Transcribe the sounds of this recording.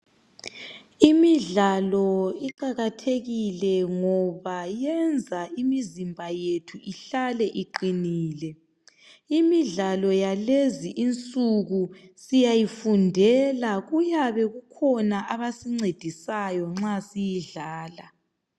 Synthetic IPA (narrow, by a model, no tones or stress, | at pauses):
imiɮalɔiǃaɣatʰeɣilɛŋɔβajɛnd͡zʱaimizimbʱajetʰuʔiɬalɛʔiǃiniːlɛ | imiɮalɔjaleziʔint͡sʼuɣusijajifundʱɛlaɣujaβɛɣukʰɔnaʔaβasiŋ͡ǀed̥ʱisajɔŋ͡ǁasijiɮaːla